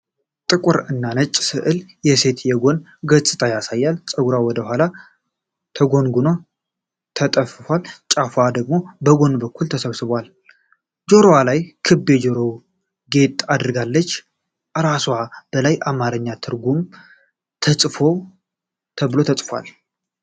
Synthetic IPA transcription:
t̪ʼɨkʼʊɾɨnːanət͡ʃʼːsɨʔɨljɛse̞t̪jɛɡo̞n | ɡət͡sʼɨt̪ʰʼajasajːalt͡sʼəɡuɾawɔd̪əhʷala | t̪ʰəɡo̞nɡuno | t̪ʰət̪ʼəfɨfwalt͡ʃʼafad̪əɡ̚mo̞bəɡo̞nbəkːult̪ʰəsəβsɨβwal | d͡ʒo̞ɾowalajkʰɨbːe̞d͡ʒoɾo̞ | ɡe̞t̪ʼad̪ɨɾɡalːət͡ʃː | ɾaswab̥əlajʔamaɾəɲːat̪ʰɨɾɡum | t̪ʰəsʼfo̞ | t̪ʰəβɨlo̞t̪ʰət͡sʼfʷa̰l

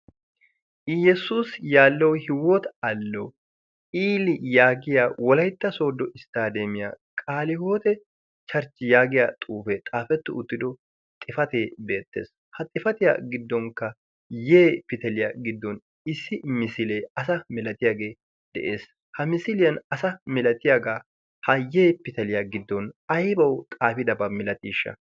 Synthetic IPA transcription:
jɛsuːsjaːlːɐwhɪwɔt̪ɐlːɐw | iːlɪjaːɡɪjaːwɔlɐjt̪ːɐso̞ːd̪ːɔʔɪst̪aːd̪emɪja̰ːkʼaːlɪhoːt̪ɛ | t͡ʃɐɾt͡ʃːɪjaːɡɪjaːt̪ʼuːfɛt̪ʼaːfɛt̪ːʊʊt̪ːɪd̪ɔ | t̪ʼːɪfɐt̪eːbe̞ːt̪ːḛːs | hɐt̪ʼɪfɐt̪ɪja̰ɡɪd̪ːɔŋkːɐ | jeːpɪt̪ɐlɪjaɡɪd̪ːɔn | ɪsːɪmɪsɪleːɐsɐmɛlɐt̪ɪjaɡe̞ː | d̪̥ɛ̰ʔe̞ːs | hɐmɪsɪlɪjɐnɐsɐmɛlɐt̪ɪjaɡaː | hɐjeːpɪt̪ɐlɪjaɡɪd̪ːɔnɐjbɐwt̪ʼaːfɪd̪ɐbɐmɪlɐt̪iːʃːɐ̰

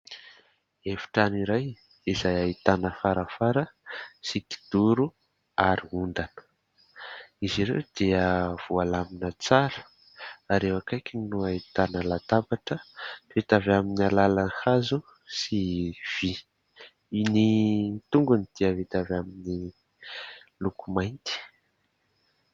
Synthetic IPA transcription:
efi̥ʈ͡ʂaniɾaj | izajait̪anəfaɾəfaɾəsiki̥d̪̥uɾu | aɾiund̪anə̥ | iziɾḛwd̪̥iəv̥ualaminət͡saɾə̥ | aɾewakajkʲinuait̪anəlat̪abaʈ͡ʂəvet̪avaminalalanhazu | siv̥i | init̪uŋɡunid̪̥iəvit̪avamini | lukumajnt̪i̥

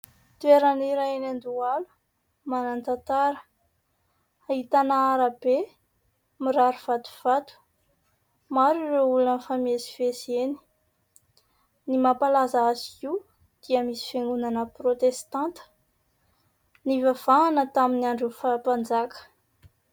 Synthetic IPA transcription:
t̪ueɾaniɾaenand̪ualu̥ | manant̪at̪aɾə̥ | aɦit̪anaaɾabe | miɾaɾuv̥at̪u̥v̥at̪u̥ | maɾiɾeulunfamesi̥veseni̥ | nimapalazaazikiu | d̪̥iəmisi̥feŋɡunanəprot̪est̪ãnt̪ə̥ | nivav̥aanət̪aminiaɳɖ͡ʐufapand͡zakə̥

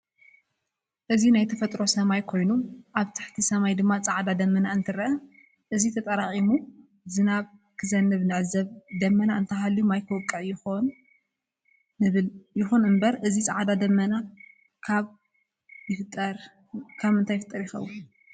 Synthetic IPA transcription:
ʔɨzinajt̪ʰɐfɐt̪ʼɾo̞sɐmajkʰo̞jnuʔaβt̪ʰḁħt̪ʰisɐmajd̪ɨmːat͡sʼaʕd̪ad̪ɐmːɐnaɨnt̪ʰɨɾɐɐ | ʔɨzit̪ʰɐt̪ʼɐɾaχʼimu | zɨnaβkʰɨzɐnːɨβnɐʕzɐβd̪ɐmːɐnaɨnt̪ʰɐɦalːiumajkʰɨwɔkʼːɨʕjɪxon | ɨɨljɪxunɨmbɐɾʔɨzit͡sʼaʕd̪ad̪ɐmːɐna | kʰaβ | jɪft̪ʼːɐɾ | kʰaβɨnt̪ʰajɪfɨt̪ʼːɐɾjɪxɐ̰wːu

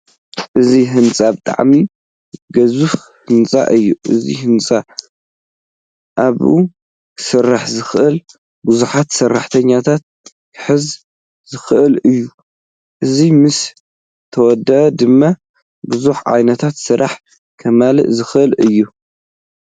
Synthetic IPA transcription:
ʔɨziɦɨnt͡sʼabɨt̪ʼa̰ʕmi | ɡɐzuf | hɨnt͡sʼa̰ʔɨjːuʔɨzḭhɨnt͡sʼa | ʔaβṵ | kʰsɨrːaħzɨxʔɨl | buzuħat̪sɐrːaħt̪ʰɐɲːat̪ʰat̪̚ | kʰɨ̥ħɨz | zɨxɨʔɨlɨjːu | ʔɨzimɨs | t̪ʰɐwɔd̪ːɐʔɐd̪ɨmːa | buzuħʕa̰jnɐt̪ʰat̪sɨɾa̰ħ | kʰɐmalɨ̰ʔzɨxʔɨlɨjːu

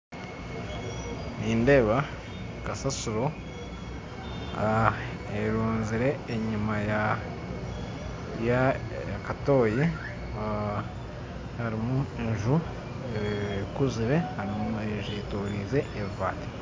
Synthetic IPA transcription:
niːnde̞ːβa | kasasuɾo̞ | eɾuːnziɾe̞ːɲumaja | ja | jakato̞ːje | haɾimuenʒu | ekuziɾe̞haɾimeʒitoɾizeːvaːte̥

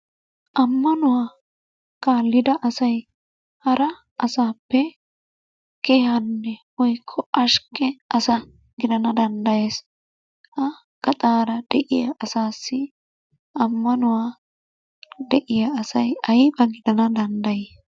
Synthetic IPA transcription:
ʔɐmːɐnʊwaː | kaːlːɪd̪ɐʔɐsɐj | hɐɾɐ | ɐsaːpːɛ | keːhɐnːɛwɔjkʰːɔʔɐʃkɛɐsɐ | ɡɪd̪ɐnɐd̪ɐnd̪ɐjeːs | hɐ | ɡ̥ɐt̪ʼaːɾɐd̪̥ɛʔɪjɐʔːsaːsːɪ | ɐmːɐnʊwaː | d̪ɛʔɪjɐɐsɐjɐjbɐɡɪd̪ɐnɐd̪ɐnd̪ɐje

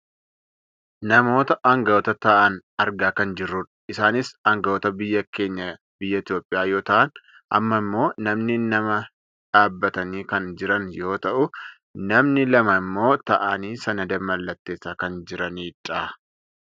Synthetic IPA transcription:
nɐmo̞ːt̪ɐʔɐŋɡɐwɔt̪ɐt̪ɐʔɐnɐɾɡaːkɐnd͡ʒɪrːʊᶑ | ɪsaːnɪsɐŋɡɐwɔt̪ɐbɪjːɐke̞ːɲːɐ | bɪjːɐɪt̪jo̞ːpʼːɪjaːjo̞ːt̪ɐʔɐn | ɐ̰mːɐɪmːo̞ːnɐmnɪnːɐmɐ | ᶑaːbːɐt̪ɐniːkɐnd͡ʒɪɾɐnjo̞ːt̪ɐʔʊ | nɐmnɪlɐmɐɪmːo̞ːt̪ɐʔɐniːsɐnɐd̪ɐmɐlːɐt̪ːe̞ːsːaːkɐnd͡ʒɪɾɐniːᶑɐ

